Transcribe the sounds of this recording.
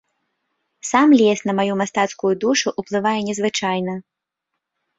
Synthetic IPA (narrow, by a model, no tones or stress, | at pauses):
samlʲɛsnɐmajumast̪at̪skʊjud̪uʂʊʔuplˠɨvajɛnʲɛzvɨt͡ʂajnɐ